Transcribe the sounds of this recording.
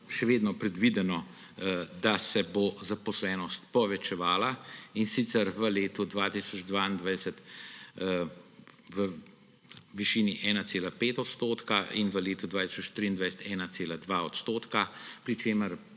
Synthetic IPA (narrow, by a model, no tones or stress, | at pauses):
ʃɛʋeːd̪nɔpɾɛd̪ʋid̪ɛnɔ | d̪asɛbozapɔslɛːnɔst̪pɔʋɛt͡ʃɛʋaːlainsit̪sɛɾʋəleːt̪ud̪ʋaːt̪isɔd͡ʒd̪ʋaːind̪ʋajsət̪ | ʋə | ʋiʃiːniʔɛːnat̪seːlapeːt̪ɔt̪st̪oːt̪kaʔinʋəleːt̪ud̪ʋaːt̪i̥sɔt͡ʃt̪ɾiːnd̪ʋajsɛ̥t̪ɛːnat̪seːlad̪ʋaɔt̪st̪oːt̪kapɾit͡ʃeːməɾ